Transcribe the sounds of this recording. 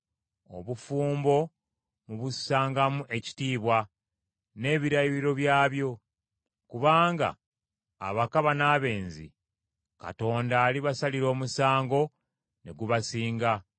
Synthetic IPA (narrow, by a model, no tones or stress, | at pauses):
o̞̰βufuːmbo̞ | muβusaːŋɡamuʔe̞ci̥tiːβwa | ne̞ːβiɾaiɾiɾo̞βjaːβjo̞ | kuβaːŋɡa̰ː | βakaβanaːβe̞ːnzḭ | ka̰to̞ːndaːliβasaliɾo̞ːmusaːŋɡo̞ | ne̞̰ɡuβasiːŋɡa